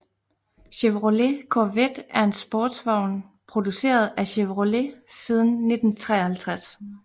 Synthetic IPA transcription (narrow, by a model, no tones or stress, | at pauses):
ɕeʋʁole̝kʰoʋed̥æɐe̝nsb̥ɔːd̥sʋɑ̈ʊ̰npʰʁo̝d̥use̝̰ːɐð̞ˠæɕeʋʁole̝siːð̞ˠn̩ːe̝d̥n̩t͡sʰʁɛ̰ːɐhælt͡sʰʁas